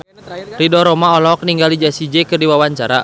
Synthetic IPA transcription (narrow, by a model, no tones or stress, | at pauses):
ridɔɾɔmaɔlɔk̚niŋɡalid͡ʒasid͡ʒɛkɨrdiwawaɲt͡ʃaɾa